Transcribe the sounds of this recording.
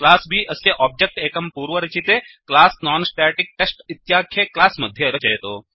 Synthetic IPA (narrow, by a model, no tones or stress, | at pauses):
klaːsbʱiʔɐsjeʔɔːb̚d͡ʒek̚ʈeːkɐmpuːɾʋɐɾɐt͡ʃit̪eklaːsnaːnsʈɛːʈɪk̚ʈesʈɪt̪jaːkʰːjeklaːsmɐd̪ʱjeɾɐt͡ʃɐɦjt̪oː